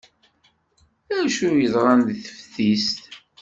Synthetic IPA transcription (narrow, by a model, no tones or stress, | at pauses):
æʃujəzˤʁɑnd̪θə̥fθist̪